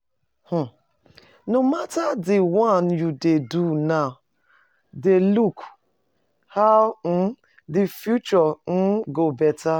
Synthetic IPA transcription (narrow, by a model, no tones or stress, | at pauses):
h̩ | nomatadɪwanjudeduna | deluk | haʊn̩ | dɪfjut͡ʃɔn̩ɡobɛta